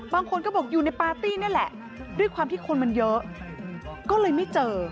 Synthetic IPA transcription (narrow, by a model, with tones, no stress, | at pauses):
baː˧ŋkʰo˧nkɔː˥˩bɔ˨˩k̚juː˨˩na˧jpaː˧t̪iː˥˩ni˥˩əlɛ˨˩ʔ | du˥˩əjkʰwaː˧mt̪ʰiː˥˩kʰo˧nma˧njɤ˦˥ʔ | kɔː˥˩lɤː˧jma˥˩jt͡ɕɤː˧